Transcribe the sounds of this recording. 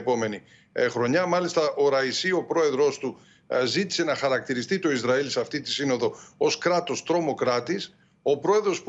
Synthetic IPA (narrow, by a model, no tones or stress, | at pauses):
po̞me̞ni | xɾo̞ɲɐmɐlist̪ɐʔo̞ɾɐisio̞pɾo̞e̞ðɾo̞st̪u | zit̪i̥se̞nɐxɐɾɐk̚t̪iɾist̪it̪o̞izɾɐilseɐft̪it̪isino̞ðo̞o̞skɾɐt̪o̞st̪ɾo̞mo̞kɾɐt̪is | o̞pɾo̞e̞ðɾo̞sp